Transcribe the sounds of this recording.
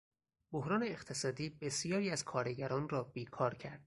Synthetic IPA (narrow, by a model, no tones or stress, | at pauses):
bohɾɒːne̞eχt̪ʰe̞sɒːd̪iːbe̞sijɒːɾiːæzkʰɒːɾeɟæɾɒːnrɒːbiːkʰɒːɾcʰæɾd̪̥